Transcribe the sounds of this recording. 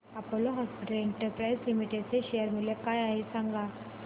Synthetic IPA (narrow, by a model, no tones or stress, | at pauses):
apoloɦɔspiʈəlɛɳʈəɾpɾajslimiʈeɖt͡seɕejəɾmiljekajaɦesãŋɡa